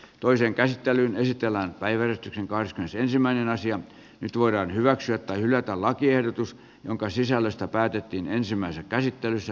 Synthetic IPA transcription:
t̪oiseːŋkæsit̪ːelyːnesit̪elːæːnpæiʋærest̪ykseŋkɑhreskymenesensimːˑæinenɑsiɑ | nyt̪ʋoiɾɑːnhyʋæksyæt̪t̪ːɑihylˑæt̪ællɑkiehdot̪us | joŋkɑsisælːøst̪æpæːt̪et̪ːiːnensimːˑæisekæsit̪ːelysːæ

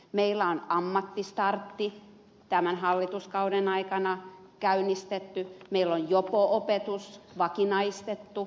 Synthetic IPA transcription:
meilːˑæonɑmːɑt̪ːist̪ɑrt̪ːi | t̪æmænhɑlːit̪uskɑudenɑikɑnɑ | kæynist̪et̪ːymeilːonjokoʔopet̪usʋɑkinɑist̪et̪ːu

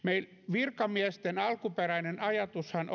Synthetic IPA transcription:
meil | ʋirkɑmiæst̪enɑlkuperæinenɑjɑt̪ushɑn

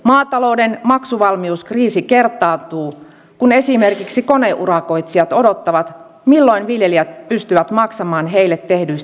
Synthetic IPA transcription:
mɑːt̪ɑlo̞udenmɑksuʋɑlmiuskriːsike̞rt̪ːˑɑːt̪uː | kune̞simerkiksiko̞ne̞ʔurɑkoit̪siɑt̪odo̞t̪ːɑʋɑt̪ | milːo̞inʋiljeliæt̪̚pyst̪yʋæt̪mɑksɑmɑːnɦeilːet̪ːe̞hdyist̪

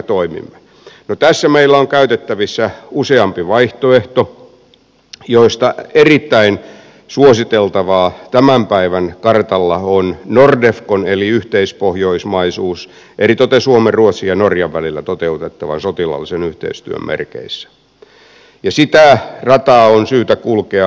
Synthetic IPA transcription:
t̪oimḭmːe | not̪æsːæmeilːæoŋkæyt̪et̪ːæʋisːæuseɑmpiʋɑiht̪oeht̪o | joist̪ɑerit̪ːæin | suosit̪elt̪ɑʋɑːt̪æmæmpæiʋænkɑrt̪ɑlːɑonnordefkoneliyht̪eispohjoismɑisuːs | ʔerit̪ot̪esuomerruot̪sijɑnorjɑʋʋælilːæt̪ot̪eut̪et̪ːɑʋɑ̰nsot̪ilɑ̰lːisenyht̪ḛist̪y̰ø̰mmḛrkḛisːæ̥ | jɑsit̪ærɑt̪ɑːonsyːt̪ækulkeɑ

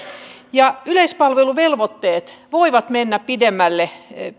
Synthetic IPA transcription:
jɑyleispɑlʋeluʋelʋot̪ːeːt̪ʋoiʋɑt̪menːæppid̪emːælːe

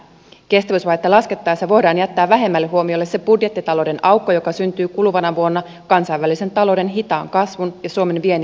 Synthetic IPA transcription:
ke̞st̪æʋysʋɑjet̪ːelɑske̞t̪ːɑːjsjɑʋo̞jdɑːnjæt̪ːæːʋæɦe̞mːælːeɦuo̞miolːe̞se̞b̥udjet̪ːit̪ɑlo̞ːde̞nʔɑwkːojo̞kɑsynt̪yːkuluʋɑnɑʋuo̞nːɑ | kɑnsɑjʋælise̞nt̪ɑlo̞wde̞nɦit̪ɑːŋkɑsʋunjɑsuo̞me̞nʋien

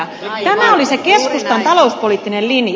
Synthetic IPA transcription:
t̪æmæolise̞ke̞skust̪ɑnt̪ɑlo̞uspoliːt̪ːinellinj

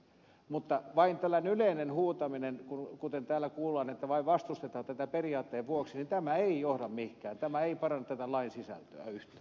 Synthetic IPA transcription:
mut̪ːɑʋɑint̪ælːæineyleinenhuːt̪ɑminenkunkut̪ent̪æːlːˑækuːlːɑːnet̪ːæʋɑiʋʋɑst̪ust̪et̪ɑːt̪æt̪æperiɑːt̪ːeːʋʋuoksinint̪æmæeijohɾɑmmihkæːnt̪æmæeipɑrɑnːɑt̪æt̪ælɑinsisæ̰lt̪ø̰æ̰yht̪æ

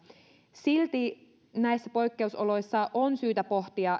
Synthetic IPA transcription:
silt̪i | næjsːæpo̞jkːe̞usolo̞jsːɑʔonsyːt̪æpo̞ht̪iɑ

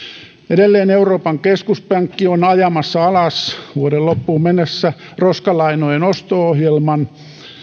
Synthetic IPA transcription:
edelːeːneuroːpɑŋkeskuspæŋkːionɑjɑmɑsːɑɑlɑsʋuodellopːuːmmenːesːæroskɑlɑinojenost̪oohjelmɑn

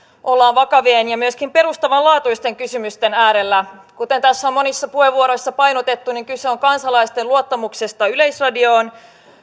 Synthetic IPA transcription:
ʔolːɑːnʋɑkɑʋeːnjɑmyøskimpe̞rust̪ɑʋɑlɑːt̪uist̪e̞ŋkysymyst̪e̞næːɾe̞lːækut̪e̞nt̪æsːæomːo̞nisːɑpuheʋːuoɾo̞jsːɑpɑjnot̪e̞t̪ːuniŋkyseo̞ŋkɑnsɑlɑist̪eluot̪ːɑmukse̞st̪ɑyleisrɑdio̞ːn

